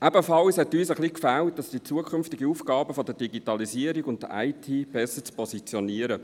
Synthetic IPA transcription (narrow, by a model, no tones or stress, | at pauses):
ʔɛb̥əfɑlshɛtyːsəχliːkfælt̚dɑsd̥it͡suəkʰʏnftɪɡəuːfɡɑːbəfodəd̥iɡitɑlisiːəɾiɡʊnt̚dəʔa̰ɪtʰiːb̥ɛsət͡spʰɔsit͡sjoniːəɾə